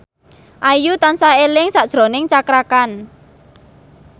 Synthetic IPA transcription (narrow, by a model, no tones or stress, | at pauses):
ʔajut̪ansahelɪŋsaʔd̥ʒ̥ɾonɪŋt͡ʃakɾakan